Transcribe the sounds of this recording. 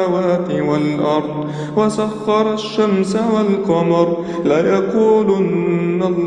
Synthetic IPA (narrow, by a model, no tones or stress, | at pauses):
awaːt̪ɪwalʔɑɾˤd̪ˤ | wasaxːɑɾˤɑʃːamsawalqɑmɑɾˤ | laːjaquːlʊnːal